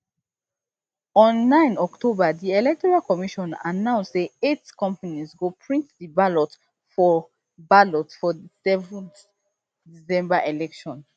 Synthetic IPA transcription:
ɔ̃nːãɪ̃nɔktʰobadiɛlɛk̚tɔɹalkɔmiʃɔ̃na̰nãʊ̃nsdeetkɔ̃mpanizɡopʰɹĩntdibalɔt | fɔ | balɔtfɔdisɛvɔ̃nt | disɛ̃mbaʔelɛkʃɔ̃n

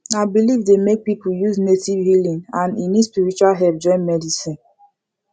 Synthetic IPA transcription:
aɪbilivdemek̚pipujuznetivhilĩŋãninispiɹit͡ʃualɦɛlp̚d͡ʒɔ̃nmɛdisĩn

